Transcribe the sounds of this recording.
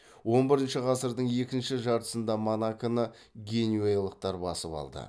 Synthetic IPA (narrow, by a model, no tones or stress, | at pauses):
wo̞nbɪɾɪnʃɪʁɑsəɾd̪əɴe̞kʲɪnʃɪʒɑɾt̪ə̥sənd̪ɑmonakənə | ɡʲe̞nuejlˠəq̚t̪ɑɾbɑ̰səpɑ̰lˠd̪ə̰